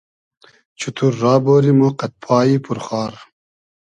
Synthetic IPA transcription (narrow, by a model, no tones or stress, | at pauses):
t͡ɕʰut̪ʰuɾːɑːboːɾimoqɐt̪̚pʰaːipʰuɾχɑːɾ